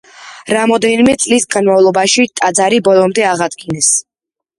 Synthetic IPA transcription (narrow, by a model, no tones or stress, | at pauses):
ɾamɔd̪ɛnimɛt̪sʼlisɡanmavlˠɔbaʃit̪ʼad̪zaɾibɔlˠɔmd̪ɛaʁad̪ɡinɛs